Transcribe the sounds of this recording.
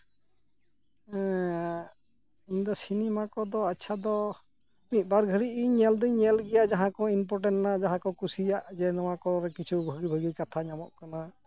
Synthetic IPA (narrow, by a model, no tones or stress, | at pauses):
ɛ̃ | iɲd̪ɔsinɛmakɔd̪ɔatːʃʰad̪ɔ | mit̪̚ˀbaɾɡʱəɽiʔiɲɛld̪ɔɲɛlɡɛjaʔd͡ʒaɦãkɔinpɔɾʈɛnʈnad͡ʒaɦãkɔkusijaʔd͡ʒɛnɔwakɔɾɛkit͡ʃʰubʱəɡibʱəɡikat̪ʰaɲamɔʔ̚kana